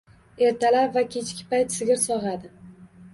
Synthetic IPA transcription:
e̞ɾt̪ʰalapvakʲʰet͡ʃʰkʲɪ̥pajt̪sɪɡʲɪɾsɒʁad̪ɪ

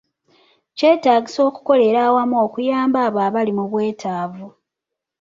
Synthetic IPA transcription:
ce̞ːtaːɟiso̞ːku̥ko̞le̞ɾaːwamuo̞ːkujaːmbaːβaːβalimuβwe̞ːtʰaːvu

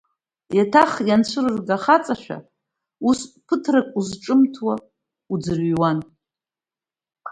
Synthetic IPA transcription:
jatʰaχjant͡ɕʷʰɨrɨrɡaχat͡sʼaʃʷᶣa̰ | uspʰɨtʰrakʷʼuzʈ͡ʂʼɨmtʰwa | ud͡zɨrɥwan

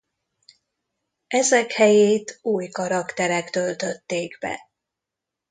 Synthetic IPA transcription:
ɛzɛkhɛjeːt̪uːjkɒɾɒkt̪ɛɾɛkt̪ø̞lt̪ø̞t̪ːeːɡbɛ̰

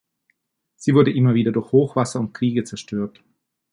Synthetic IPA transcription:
z̥iːvʊɐdəʔɪmɐviːdɐdʊɐçhoːxv̥asɐʊnt̚kʁ̥iːɡət͡sɛɐʃtʰøːɐt

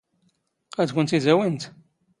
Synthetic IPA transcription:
æd̪kʷənt̪izæwint̪

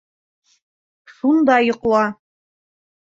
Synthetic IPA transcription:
ʃund̪ɑjŏqlˠɑ

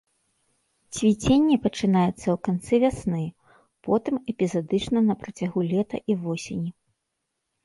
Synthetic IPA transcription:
t͡sʲvʲit͡sʲenʲːipɐt͡ʂɨnajɛt̪sːɐwkant̪sɨvʲasnɨ | pɔt̪ɨmɛpʲizad̪ɨt͡ʂnɐnɐpɾɐt͡sʲaɣulʲɛt̪ɐ̰ʔivɔsʲenʲi

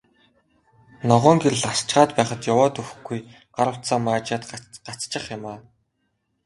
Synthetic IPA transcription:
nɔʁɔːŋɡeɾɘ̆ɮast͡ɕɢaːt̪pæːχə̆t̪jʊwɔːt̪ɵxɡuj | ɢaɾə̆w̥̪saːmaːt͡ɕaːt̪ɢat͡st͡ɕɪ̆χjʊmaː

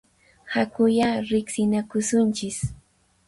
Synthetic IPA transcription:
hakʊjaɾɪksɪnakʊsʊnt͡ʃɪs

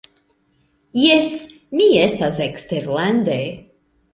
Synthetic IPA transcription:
jes | miestaseksteɾland̪e

